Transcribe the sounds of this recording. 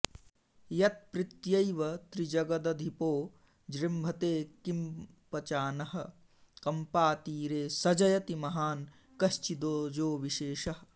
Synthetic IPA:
jɐt̪̚pɾɪt̪jɐjʋɐt̪ɾid͡ʒɐɡɐd̪ɐd̪ʱipoː | d͡ʒɾimbʱɐt̪eːkim | pɐt͡ʃaːnɐɦɐ̆ | kɐmpaːt̪iːɾeːsɐd͡ʒɐjɐt̪imɐɦaːn | kɐst͡ʃid̪oːd͡ʒoːʋiʃeːʃɐɦ

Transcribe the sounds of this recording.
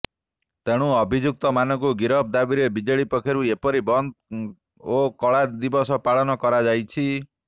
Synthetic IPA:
t̪eɽ̃ũɔbʱid͡ʒuk̚t̪ɔmanɔŋkuɡiɾɔb̚d̪abiɾebid͡ʒɔɭipɔkʰeɾuepɔɾibɔnd̪ | okɔɭad̪ibɔsɔpaɭɔnɔkɔɾad͡ʒajt͡ʃʰi

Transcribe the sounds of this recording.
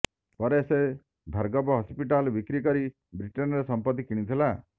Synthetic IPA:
pɔɾese | bʱaɾɡɔbɔɦɔspiʈalbikɾikɔɾi | bɾiʈɔnɾesɔmpɔt̪ːikiɽ̃it̪ʰila

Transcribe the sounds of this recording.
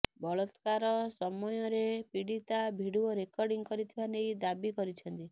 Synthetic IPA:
bɔɭɔt̪kaɾɔsɔmɔjɔɾepiɽit̪abʱiɽuɔɾekɔɾɖiŋkɔɾit̪ʰibanejd̪abikɔɾit͡ʃʰɔnt̪i

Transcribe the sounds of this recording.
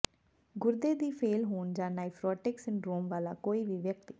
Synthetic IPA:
ɡʊɾd̪eːd̪iːpʰeːlɦoːɳd͡ʒãːnaːɪpʰɾɔːʈɪksɪnɾoːmʋaːlaːkoːiːʋiːʋjəkt̪iː

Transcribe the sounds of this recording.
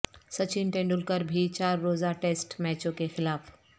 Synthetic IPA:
sət͡ʃinʈẽːɳɖʊlkəɾbʱit͡ʃaːɾːoːzaʈeːsʈmɛːt͡ʃõkexɪlaːf

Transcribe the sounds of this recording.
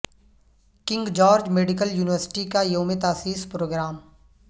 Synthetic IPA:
kɪ̃ŋɡd͡ʒɔːɾd͡ʒmeːɖɪk̬əljuːnɪʋəɾsɪ̥ʈikajoːmet̪aːsiːspɾoːɡɾaːm

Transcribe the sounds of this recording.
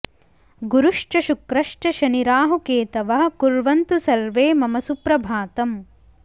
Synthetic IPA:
ɡuɾuʂʈɐʃukɾɐʂʈɐʃɐniɾaːɦukeːt̪ɐʋɐɦɐ̆kuɾʋɐnt̪usɐɾʋeːmɐmɐsupɾɐbʱaːt̪ɐm

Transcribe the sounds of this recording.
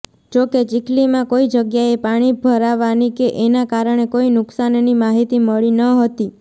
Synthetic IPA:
d͡ʒoket͡ʃiklimãkoid͡ʒəɡjaepaɽ̃ibʱəɾaʋanikeʔenakaɾəɳ̃ekoinʊksannimaɦit̪iməɭinəɦət̪i

